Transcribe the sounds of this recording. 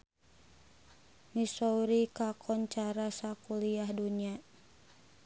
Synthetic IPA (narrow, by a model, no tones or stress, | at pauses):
nisɔuɾikakʰɔnt͡ʃaɾasakuliahduɲia